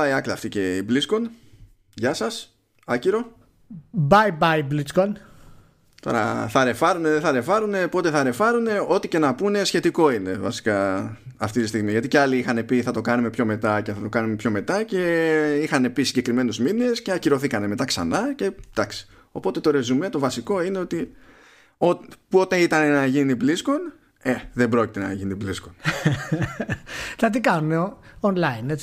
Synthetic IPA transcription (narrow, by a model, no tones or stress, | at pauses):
ɐiɐkliɐft̪ice̞iblisko̞n | ʝɐsɐs | ɐciɾo̞ | bɐjbɐjbliskon | t̪o̞̰ɾɐ̰θɐɾe̞fɐɾuneðeθɐɾe̞fɐɾune̞po̞t̪e̞θɐɾe̞fɐɾune̞o̞t̪ice̞nɐpune̞sçe̞t̪iko̞ine̞vɐ̰si̥kɐːft̪it̪ist̪iɣmiʝɐt̪ice̞ɐliixɐne̞piθɐt̪o̞kɐnume̞pço̞me̞t̪ɐce̞θɐt̪o̞kɐnume̞pço̞me̞t̪ɐce̞ixɐne̞pisiɲɟe̞kɾime̞nuzmine̞sce̞ɐciɾo̞θikɐne̞me̞t̪ɐksɐ̰nɐce̞d̪̥ɐksi̥ | o̞po̞t̪e̞t̪o̞ɾe̞zume̞t̪o̞vɐsiko̞ine̞o̞t̪i | opuo̞t̪eit̪ɐne̞nɐʝiniblisko̞n | eðembɾo̞cit̪e̞nɐ̰ʝinibliskon | tɐt̪ikɐnuneonlɐinet͡s